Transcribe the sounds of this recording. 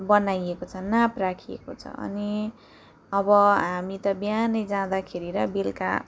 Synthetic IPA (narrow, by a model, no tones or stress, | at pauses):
bʌnajekot͡sʰʌnaprakʰiḛkot͡sʰʌ̰ʌ̰ni | ʌbʌɦamit̪ʌbjanʌjd͡zãd̪akʰeɾiɾʌbilka̰